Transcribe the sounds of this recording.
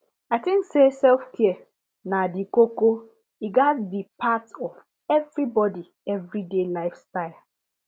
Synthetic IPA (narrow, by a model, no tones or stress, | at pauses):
atĩŋksesɛlfkʰiɛ | nadikoko | iɡatdipʰatɔv | ɛvɹibɔdi | ɛvɹidelaɪfstaɪl